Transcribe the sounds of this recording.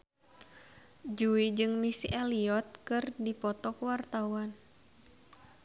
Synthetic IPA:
d͡ʒuid͡ʒɨŋmisiʔɛliɔt̪̚kɨrdipɔt̪ɔkuwart̪awan

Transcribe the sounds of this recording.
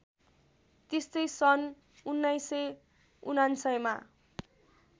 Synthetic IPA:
t̪est̪ʌjsʌn | unːʌjsʌ | unansʌjma̰

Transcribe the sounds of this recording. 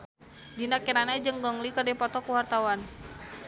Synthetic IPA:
dinakɛnanad͡ʒəŋɡɔŋlikərdipɔt̪ɔkuwart̪awan

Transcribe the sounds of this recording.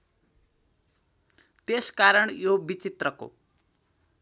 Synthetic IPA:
t̪eskaɾʌɳjobit͡sit̪rʌko̰

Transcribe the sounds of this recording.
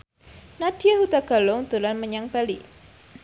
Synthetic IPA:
nad̥iahut̪aɡa̤lʊŋd̪ulanməɲaŋb̥alḭ

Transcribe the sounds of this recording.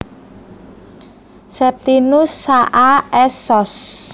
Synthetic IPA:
sɛp̚t̪inʊsːaʔaɛsɔs

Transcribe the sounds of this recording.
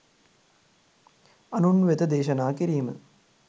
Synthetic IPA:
ɐnunʋet̪ɐd̪eːʃɐnaːkiɾijimɨ̰

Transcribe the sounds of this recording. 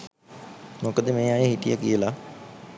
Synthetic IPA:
mokəd̪emẽːajeɦiʈ̪ijakijəla

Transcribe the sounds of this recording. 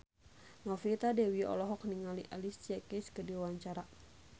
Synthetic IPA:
nɔfit̪adɛwiɔ̰lɔɦɔk̚niŋaliʔalist͡ʃakɛskədiwaɲt͡ʃaɾa

